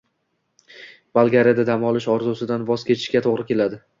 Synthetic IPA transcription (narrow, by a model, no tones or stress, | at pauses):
balˠɡʲaɾjad̪ad̪amɒlˠɪʃɒɾzusɪd̪anvɒz̥kʲʰe̞t̪ʰɪ̥ʃkʲat̪ʰoʁɾɪkʲe̞lad̪ɪ